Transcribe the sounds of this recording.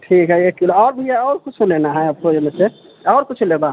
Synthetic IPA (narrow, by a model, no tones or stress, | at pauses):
ʈʰikɦɛekːilɔːɾbʱijaɔːɾkut͡ʃʰulenaɦɛ̃əpod͡ʒemese | ɔʊɾkut͡ʃʰuleba